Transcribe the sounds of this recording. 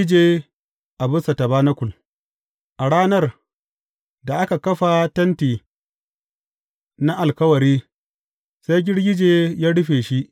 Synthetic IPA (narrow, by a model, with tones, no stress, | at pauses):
d͡ʒeː˦ | ʔa˨bʊ˦sa˨tɐ˨baː˦na˦kʷʊ˨l | ʔa˨ɽaː˦nɐ˦r | da˨ʔa˦ka˨kɐ˦ɸa˨tɐ˦ntiː˨ | na˦ʔa˨lkɐ˦wɐ˨ɾiː˦ | sa˦jɡʲɪ˦ɽɡʲɪ˦d͡ʒeː˨jaː˦ɽʊ˦ɸeː˨ʃi˦ʔ